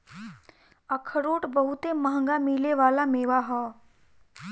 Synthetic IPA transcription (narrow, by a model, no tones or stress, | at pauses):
əkʰəɾoːʈbəɦut̪emɐɦə̃ŋɡamiːleʋaːlameːʋaɦɔː